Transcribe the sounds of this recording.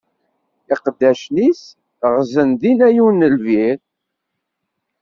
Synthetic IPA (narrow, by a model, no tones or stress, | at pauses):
ɪqd̪ːæʃnis | ʁzənðinæjunːəlviɾ